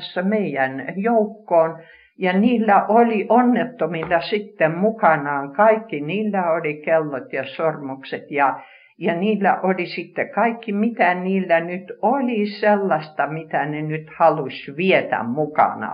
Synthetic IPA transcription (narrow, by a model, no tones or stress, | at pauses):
sːɑmeijænjoukːoːn | jɑniːlːæʔoliʔonːet̪ːomilːɑsit̪ːemmukɑnɑːŋkɑikːiniːlːæolikelːot̪jɑsormukset̪jɑ | jɑniːlːæ̰ʔolisit̪ːekɑikːimit̪æniːlːænyt̪olʲiselːɑsʲt̪ɑmit̪ænenyt̪hɑlusʲʋiet̪æ̰mmukɑ̰nɑ̰